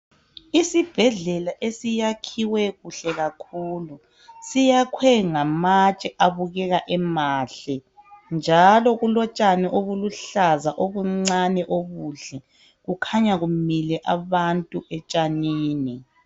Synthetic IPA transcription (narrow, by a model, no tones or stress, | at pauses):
isib̥ʱɛɮɛlaʔesijakʰiwɛɣuɬɛɣakʰuːlu | sijakʰwɛŋamat͡ʃʼɛʔaβuɣɛɣaʔɛmaːɬɛnd͡ʒʱalɔɣulɔt͡ʃʼanɛʔoβuluɬazaʔoβuŋ͡ǀanɛʔoβuɮɛ | ɣukʰaɲaɣumilɛʔaβantʼuʔɛt͡ʃʼaniːni